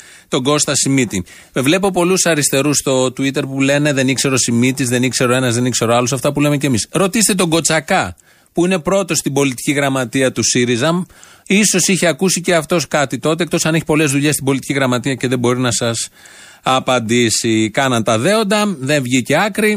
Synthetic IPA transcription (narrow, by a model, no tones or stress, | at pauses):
t̪o̞ɡo̞st̪ɐsimit̪i | me̞vle̞po̞po̞lusɐɾist̪e̞ɾust̪o̞t̪uit̪e̞ɾpule̞ne̞ðe̞nikse̞ɾo̞simit̪izðe̞nikse̞ɾo̞e̞nɐzðe̞nikse̞ɾoɐlosɐft̪ɐpule̞mecemisɾo̞t̪ist̪et̪oɡo̞t͡sɐkɐ | puine̞pɾo̞t̪o̞st̪ibo̞lit̪i̥ciɣɾɐmɐt̪iɐt̪usiɾizɐm | iso̞siçeɐkusice̞ɐft̪o̞skɐt̪it̪o̞t̪ekt̪o̞sɐne̞çi̥po̞le̞zðuʎe̞st̪imbo̞lit̪i̥ciɣɾɐmɐt̪iɐce̞ðe̞bo̞ɾinɐsɐs | ɐpɐnd̪isikɐnɐnt̪ɐðe̞o̞nd̪ɐðe̞ɱvʝice̞ɐkɾi